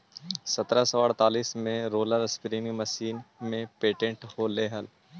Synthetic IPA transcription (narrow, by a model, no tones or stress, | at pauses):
sət̪ɾasəʋaːɽt̪aːliːsmẽɾoːləɾspɾĩŋɡməʃiːnmẽpeːʈə̃ɳʈholeːɦəl